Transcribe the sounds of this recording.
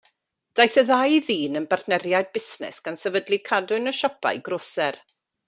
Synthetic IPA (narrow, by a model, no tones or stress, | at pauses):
d̥ajθəðajðiːnənbarθnɛɾjajd̚bɪsnɛ̰sɡ̥ansɛvədlˠikʰadʊnəʃɔpʰa̰jɡroːsɛr